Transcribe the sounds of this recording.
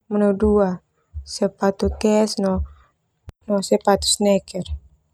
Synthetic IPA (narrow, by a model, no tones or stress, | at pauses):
mənowdua | sɛpat̪ukɛsnɔ | nɔsɛpat̪u̥snɛkɛr